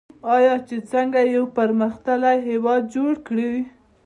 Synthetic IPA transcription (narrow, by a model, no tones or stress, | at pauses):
ɑjɑt͡ʃet͡səŋɡajawpaɾməxt̪alajɦewɑd̪̚d͡ʒoɽkɽiw